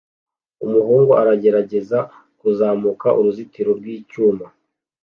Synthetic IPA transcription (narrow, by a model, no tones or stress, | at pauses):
umuɦuːŋɡoʔaɾaɟe̞ɾaɟe̞za | kuzaːmukaʔuɾuzitiɾoɾɡwiːcuːma